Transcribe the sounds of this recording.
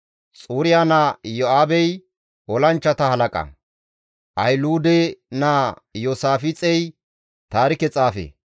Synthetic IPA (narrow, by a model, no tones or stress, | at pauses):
t͡sʼuːɾɪjaːnaːjɔaːbɛj | ɔlɐnt͡ʃːɐt̪ɐhɐlɐkʼɐ̰ | ʔɐjluːd̪ɛnaːjoːsaːfɪt͡sʼɛj | t̪aːɾɪkɛt͡sʼaːfḛː